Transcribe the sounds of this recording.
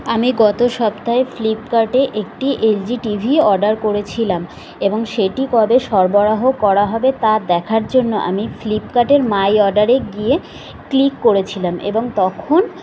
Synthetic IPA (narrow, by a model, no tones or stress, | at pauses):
amiɡɔt̪oʃɔpt̪aeflipkaɾʈeʔek̚ʈiʔeld͡ʑiʈibʱiɔɾɖaɾkoɾet͡ɕʰilam | eboŋʃeʈikɔbeʃɔɾboɾaɦokɔɾaɦɔbet̪ad̪ɛkʰaɾd͡ʑonːoʔa̰miflipkaʈeɾmajɔɖaɾeɡie | klikːoɾet͡ɕʰilamḛboŋt̪ɔkʰon